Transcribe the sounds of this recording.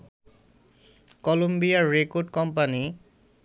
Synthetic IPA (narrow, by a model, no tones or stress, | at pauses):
kɔlumbijaɹekodkɔmpani